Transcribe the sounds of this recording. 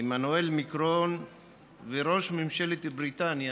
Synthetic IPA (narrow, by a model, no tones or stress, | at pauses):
emanuelmikɾon | veɾo̞ʃmimʃelet̪bɾit̪anja